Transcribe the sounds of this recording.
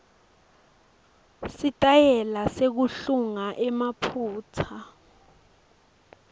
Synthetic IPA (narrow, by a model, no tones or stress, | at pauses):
sitʼajɛlasek̬uɬuŋaʔɛmapʰuːt͡sʰa